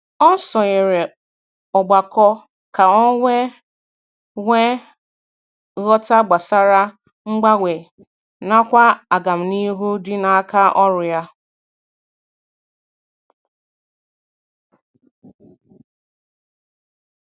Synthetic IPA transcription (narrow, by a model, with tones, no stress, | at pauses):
ɔ˦n̩˦sɔ˨ɲe˨ɾe˨ | ɔ˨ɡ͡ba˨kɔ˦ | ka˨ɔ˦ŋʷe˦ | ŋʷe˦ | ɣɔ˦ta˦ɡ͡ba˨sa˦ɾa˦ | ŋ͡m̩˦ɡ͡ba˦ɡʷe˨ | na˦kʷa˦a˨ɡa˨m̩˨ni˦ɦu˦dɪ˦na˨˦ka˦ʔɔ˦ɾʊ˨ja˦